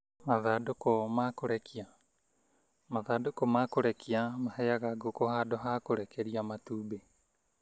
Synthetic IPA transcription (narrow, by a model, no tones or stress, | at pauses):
maðadokomakoɾekʰia | maðadokomakoɾekiamaheaɡaɡokoɦadoɦakoɾekeɾiamatube